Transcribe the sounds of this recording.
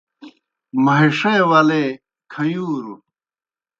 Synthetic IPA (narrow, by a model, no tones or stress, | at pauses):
mɐɦiʂewɐleː | kʰɐjuːɾu